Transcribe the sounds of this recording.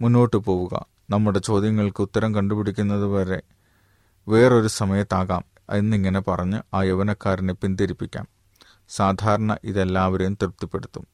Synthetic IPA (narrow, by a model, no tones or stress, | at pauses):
munːo̞ːʈːɨpo̞ːʋuɣɐ̰ | nɐmːuɽe̞t͡ɕo̞ːd̪jɐŋːɐɭkɨut̪ːɐɾɐmkɐɳɖupiɽikʲːunːɐðɨʋɐɾe̞ | ʋe̞ːro̞ɾusɐmɐjɐt̪ːaːɣaːm | enːiŋːɐne̞pɐrɐɲːɨaːjeʋɐnɐkːaːɾinepːind̪iɾipːikʲːa̰ːn | saːd̪ʱaːɾɐɳɐ̰ʔiðe̞lːaːʋɐɾɐjumt̪irp̚t̪ːipːe̞ɽut̪ːum